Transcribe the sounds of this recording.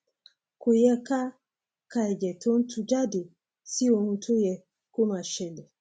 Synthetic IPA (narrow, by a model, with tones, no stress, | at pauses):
ku˨jɛ˦ka˦ | ka˨ɛ˨d͡ʒɛ˨tʰo˦n̩˦tʰu˨d͡ʒa˦de˨ | si˦o˨mũ˦tʰu˦jɛ˨ | ko˦ma˨ʃɛ˨lɛ˨